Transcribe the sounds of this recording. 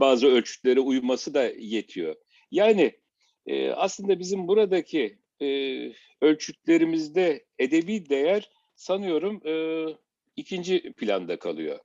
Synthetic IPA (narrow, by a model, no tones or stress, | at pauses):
baːzɯølʲt͡ʃʰy̥cʲlʲeɾiujmasɯd̪aje̞t̪ʰijo̞̰ | jaːnɪ | ɛ̰ːa̰slˠɯnd̪abizimbuɾad̪acʰi | ø̞lʲt͡ʃʰycʲlʲe̞ɾimizd̪ɛ | ed̪e̞biːd̪e̞jæɾ̥ | sanɯjo̞ɾumɯː | icʰind͡ʒipʰlʲand̪akʰa̰lˠɯ̰jo̰